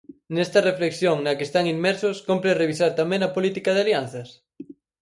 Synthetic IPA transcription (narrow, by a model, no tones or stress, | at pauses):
nest̪ɐrefleksjoŋnɐkest̪aŋimmɛɾsʊskompɾereβisaɾt̪amẽŋɐpolit̪ikɐðɪaljanθɐs